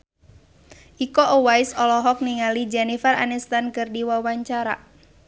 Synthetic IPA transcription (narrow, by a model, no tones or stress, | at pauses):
ʔikɔʔɔwajsɔlɔɦɔk̚niŋalid͡ʒɛnifara̰nɛst̪ankɨrdiwawaɲt͡ʃaɾa̰